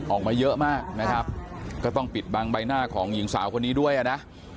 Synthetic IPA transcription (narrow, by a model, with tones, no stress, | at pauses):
ʔɔː˨˩k̚maː˧jɤ˦˥ʔmaː˥˩k̚na˦˥kʰɾa˦˥p̚kɔː˥˩t̪ɔ˥˩ŋpi˨˩t̪̚baː˧ŋba˧jnaː˥˩kʰɔː˩˦ŋji˨˩˦ŋsaː˩˦wkʰo˧nːiː˦˥du˥˩əjʔa˨˩na˦˥ʔ